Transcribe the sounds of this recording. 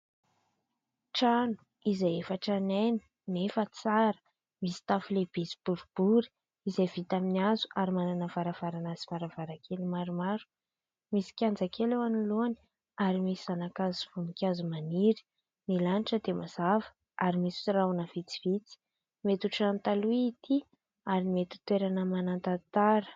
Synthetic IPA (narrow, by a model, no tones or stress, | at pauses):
ʈ͡ʂanu̥ | izajefaʈ͡ʂanajni̥ | nefət͡saɾə̥ | misi̥t̪afuleb̥ezi̥b̥uɾub̥uɾi̥ | izajvit̪aminiazu̥ʔaɾimananəv̥aɾav̥aɾanazivaɾavaɾakʰelimaɾumaɾu̥ | misi̥kʲand͡zakelewaniloani̥ | aɾimisizanakazuvunikʲazumaniɾi̥ | milaniʈ͡ʂəd̪emazavə̥ | aɾimisi̥t͡siraunəv̥it͡si̥v̥it͡si̥ | met̪uʈ͡ʂant̪aluiːt̪ʰi | aɾimet̪i̥t̪weɾanəmanant̪at̪aɾə̥